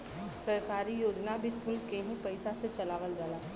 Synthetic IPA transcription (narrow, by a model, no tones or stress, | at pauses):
sɐɾkaːɾijoːd͡ʒnabʱisʊlkeɦĩpɐɪsaset͡ʃɐlaːʋəld͡ʒaːlaː